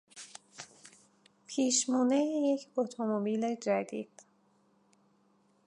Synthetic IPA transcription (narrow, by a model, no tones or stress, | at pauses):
pʰiːʃmuːneijecʰot̪ʰomobiːled͡ʒæd̪ḭd̪̥